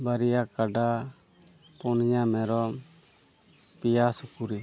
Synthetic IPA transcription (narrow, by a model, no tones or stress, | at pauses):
baɾijakaɖa | pɔnɲamɛɾɔ | pijasukuɾi